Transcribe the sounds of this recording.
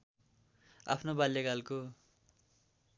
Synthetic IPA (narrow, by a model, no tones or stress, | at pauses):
a̰pʰnobaljaɡalko